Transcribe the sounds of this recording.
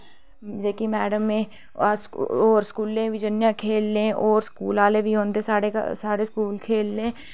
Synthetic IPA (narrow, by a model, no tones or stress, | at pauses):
d͡ʒeːkimɛːɖəmːẽ | sɔːɾskuːlːẽʋɪd͡ʒənjãkʰeːlːẽʔɔːɾskuːlaːlebʱiɦõːnd̪esaːɽḛsaːɽeskuːlkʰeːlːẽː